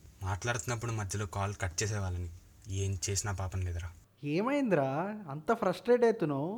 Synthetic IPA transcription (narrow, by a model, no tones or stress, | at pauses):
maːʈlaːɽut̪unːɐp̬ːuɽumɐd̪ʱjɐlo̞ːkaːlkɐʈt͡ʃeːs̬ɛːʋaːlɐni | eːmt͡ʃe̞ːsinaːpaːpɐnleːd̪ɾaː | eːmɐjind̪ɾaːɐnt̪ɐpʰɾɐsʈɾeːʈɐjt̪unoː